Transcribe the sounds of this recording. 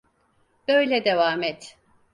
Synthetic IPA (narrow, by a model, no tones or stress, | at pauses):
b̥ø̞jlʲɛd̪evaːmɛt̪